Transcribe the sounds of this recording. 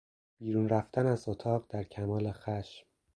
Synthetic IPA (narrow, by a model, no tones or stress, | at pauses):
b̥iːɾuːnɾæft̪ʰænæzot̪ʰɒːɢd̪æɾcʰæmɒːle̞xæʃm